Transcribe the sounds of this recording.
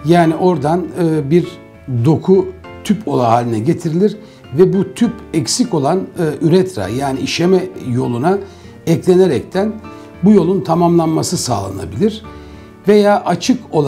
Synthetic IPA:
jaːniʔo̞ɾd̪anɯbiɾ | d̪o̞kʰut̪ʰypʰo̞lˠaɦaːlʲinɛɟe̞t̪ʰiɾilʲiɾ | vɛbut̪ʰypɛcsico̞lˠanːyɾɛt̪ɾa̰jaːniiʃemɛjo̞lˠuna | ɛclʲe̞neɾɛc̚t̪ʰæn | bujo̞lˠunt̪ʰamamlˠanmasɯsa̰ːlˠa̰na̰bilʲiɾ̥ | ve̞jaːʔat͡ʃʰɯko̞lˠ

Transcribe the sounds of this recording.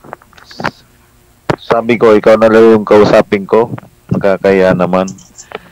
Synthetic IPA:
saːbɪko̞ʔɪkawnɐlɐjʊŋkɐʔʊsaːpɪŋko̞ | nɐɡakɐjanɐman

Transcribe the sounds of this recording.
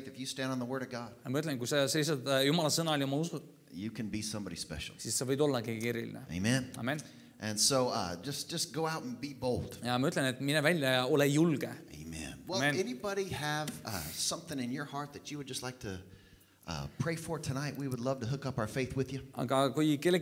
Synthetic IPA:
ɪ̃ŋkɨfjɨstæ̃ndn̩ðəwɜ˞ɾʌvɡɑd̥jɑmɑyt̪lenkujseselːisɑd̪jumɑlɑsɤnɑolʲiomɑusu | jɨkʰɨ̃nbisʌ̃mbɑɾispɛ̰ʃl̩ˠsisːevɤjb̥o̞lːɑkeɡeɾḭlḭnḛḛɪmɛ̃nɑ̰ːme̞n | ʔɨ̃nsoʊʌ̰d͡ʒʌsd̥ʒ̥ʌsɡ̥oʊaʊɾn̩biboʊlˠd̥jɑmɑyt̪ːˑlenet̪minevælʲjɑɑo̞lejulɡ̥eʔḛɪmɛ̰̃nwɛlːmenɛnibɑɾiɨv̥ʌsʌ̃mθɪ̃ŋɨ̃njə˞hɑɹt̪̚ðɨt͡ʃɨwɨd̚d͡ʒʌstlaɪk̚tʰɨ | ʔʌ̰pʰɹ̥eɪfə˞tʰɨnaɪʔwiwədˡlʌv̥tɨɦʊkʌpaʊə˞feɪθwɨðjɨʔɑ̰ɡ̥ɑkujke̞lːe

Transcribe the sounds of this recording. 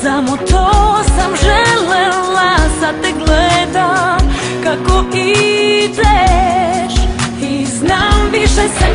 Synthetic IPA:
samot̪osamʒɛlɛlasat̪ɛɡlɛd̪am | kakoid̪ɛ | ʃ | iznamʋiʃɛsɛ

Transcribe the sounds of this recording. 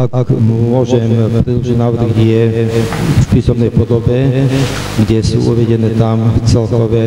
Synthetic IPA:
amʊɔʒɛmpɾɛd̪lɔʒiɟnaːʋɾɣɛjɛ | fpiːsɔnɛjpɔd̪ɔbɛ | ɡɟɛsṵːʔṵʋɛɟɛnɛːt̪amft͡sɛlkɔʋɛ

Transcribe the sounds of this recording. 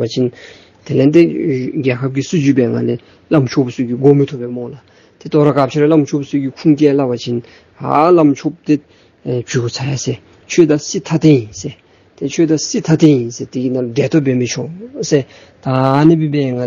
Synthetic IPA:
at͡ɕʰin | t̪ʰelet̪eɡɛːkʰap̚kisud͡ʑyːʔpɛːŋale | lamt͡ɕʰoposykiɡomit̪ʰuʔpːɛːmɔŋla | t̪et̪ɔɾakat͡ɕʰeɾelamt͡ɕʰopsyʔkikʰuŋt̪ɛːlawat͡ɕʰin | ɦa̰lamt͡ɕʰop̚t̪e | t͡ɕʰyːkot͡sʰajase | t͡ɕʰøːt̪asit̪ʰat̪ʰejinse | t̪et͡ɕʰøt̪asit̪ʰat̪ʰejinset̪iɡinaldɛːt̪ʰopeːmit͡ɕʰose | t̪anipipɛːŋa

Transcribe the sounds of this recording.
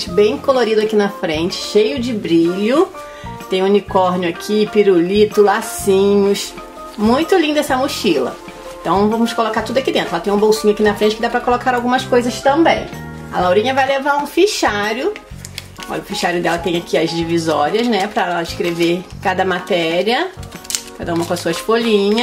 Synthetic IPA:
bẽj̃koloɾid̪ʊakinɐfɾẽnt͡ʃɪ̥ʃejʊd͡ʒɪbɾiʎʊ | t̪ẽj̃unikɔɾnjʊakʰipiɾulit̪ʊlasĩɲʊs | mũj̃t̪ʊlĩnd̪ʊɛsɐmuʃilɐ̰̃ | t̪ɐ̃w̃ñw̃vɐ̃mʊskolokaɾt̪ud̪ʊakid̪ẽt̪ɾɛlɐt̪ẽj̃ũbowsĩɲʊakinɐfɾẽnt͡ʃɪkɪd̪apɾɐkolokaɾawɡũmɐskojzɐst̪ɐ̃mbẽj̃ | ɐlawɾĩɲɐvajlevaɾũfiʃaɾʊ | ɔ̰ʎɐʊfiʃaɾjʊd̪ɛlɐt̪ẽj̃akʰiɐzd͡ʒivizɔɾiɐznɛpɾɐɛlɐɪʃkɾeveɾkad̪ɐmat̪ɛɾiɐ | kad̪ɐũmɐkõɐsuɐsfolĩɲɐ

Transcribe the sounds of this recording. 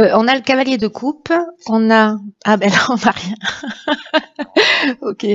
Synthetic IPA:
øɔ̃naləkavaljed̪əkʰupɔ̃naabalaɔ̃naʁjɛ̃ | okʲe

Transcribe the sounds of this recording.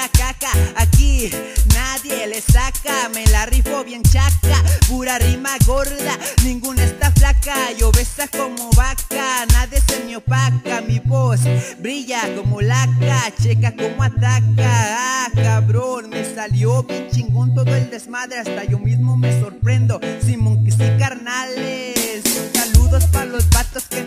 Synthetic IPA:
at͡ʃakaːkinaðjelesakamelarifoβjent͡ʃakapuɾarimaɣoɾðanĩŋɡunest̪aflakaʝoβesakomoβakanaðjesemjopakamiβosbɾiʝakomolakat͡ʃekakomoat̪akakaβɾonmesaljoβit͡ʃiŋkont̪oðoeld̪ezmaðɾeast̪aʝomismomesoɾpɾend̪osimoŋkisikaɾnalesːaluðospaɾlosbat̪oske

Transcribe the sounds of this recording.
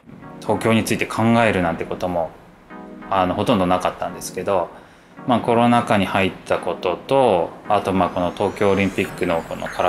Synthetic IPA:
t̪ʰo̞ːkʲo̞ːɲ̟it͡sɨit̪e̞̥kʰãŋɡae̞ɾɯ̟nãnt̪ːe̞ko̞t̪o̞mo̞ | ano̞ho̞t̪õnd̪o̞nakat̪ːãnd̪e̞sɨ̥ke̞d̪o̞ | maːko̞ɾo̞nakaɲ̟ihait̪ːako̞t̪o̞t̪o̞at̪o̞maːko̞no̞t̪o̞ːkʲo̞ːɾʲĩmpʲikːɯ̟no̞ko̞̰no̰kʰaɾa

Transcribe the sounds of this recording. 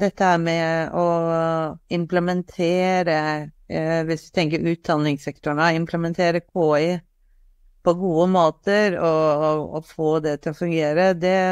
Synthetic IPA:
d̪ɛt̪ːəæɾmɛɔ | ɪmpləmɛnt̪ʰeːɾə | ʋɪsʋɪt̪ʰɛŋkəɾʉːt̪̚d̪ɑnːɪŋsɛkt̪ʊɳəɪmpləmɛnt̪ʰeːɾəkʰoːɪ | pʰɔɡuːəmoːt̪əɾɔɔfoːd̪ɛt̪ʰɪlɔfʉŋɡeːɾəd̪ɛ

